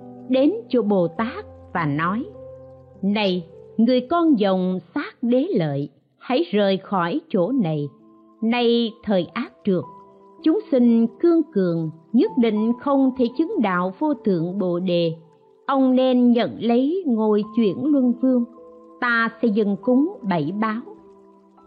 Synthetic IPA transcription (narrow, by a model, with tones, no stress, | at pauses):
ɗe˨˦nt͡ɕo˧˩ɓo˨˩t̪aː˦˥k̚vaː˨˩nɔ˨˦j | na˧jŋɨ˨˩əjkɔ˧nzə˨˩wŋ͡msaː˦˥k̚ɗe˨˦lə̰ː˧˨j | ha̰˧˥jzəː˨˩jxɔ˧˩jt͡ɕo˧˩na˨˩j | na˧jt̪ʰəː˨˩jʔaː˦˥t̚t͡ɕɨ˨˩ək̚ | t͡ɕʊ˨˦ŋ͡msï˧ŋ̟kɨ˧əŋkɨ˨əŋɲə˦˥t̚ɗḭ˧˨ŋ̟xə˧wŋ͡mt̪ʰe˧˩t͡ɕɨ˨˦ŋɗa̰ː˧˨wvo˧t̪ɨ̰˧˨əŋɓo̰˧˨ɗe˨˩ | ʔə˧wŋ͡mnɛ˧nɲə̰˧˨nlə˨˦jŋo˨˩jt͡ɕwḭ˧˩ənlwə˧nvɨ˧əŋt̪aː˧sɛ̰˧˥zɨ̰˧˩˨ŋkʊ˨˦ŋ͡mɓə˧˩jɓaː˨˦w